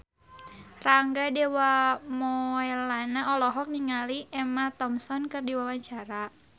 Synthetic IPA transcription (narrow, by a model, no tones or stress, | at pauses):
raŋɡadewamɔɛlanaɔlɔɦɔk̚niŋaliɛmat̪ɔmsɔnkɨrdiwawaɲt͡ʃaɾa